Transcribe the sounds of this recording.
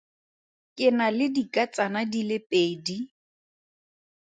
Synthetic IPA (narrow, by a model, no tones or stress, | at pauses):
kʼɪnalɪdikʼat͡sʼanadilɪpʼeːdi